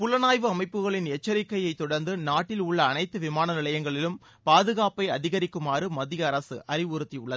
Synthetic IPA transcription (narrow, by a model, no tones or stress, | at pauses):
pʊlɐnaːjʋɯɐmɐɪpːɯɣɐɭɪnɛt͡ʃːɐɾɪkːɐjɐɪt̪ːɔɽɐɾnd̪ɯnaːʈːɪlʊɭːɐːnɐɪt̪ːɯʋɪmaːnɐnɪlɐjɐŋɡɐɭɪlɯm | paːðɯɣaːpɐɪɐðɪɣɐɾɪkːɯmaːrɯmɐðɪjɐːɾɐsɯʔɐrɪʋɯɾɯt̪ːiʊɭːɐðɯ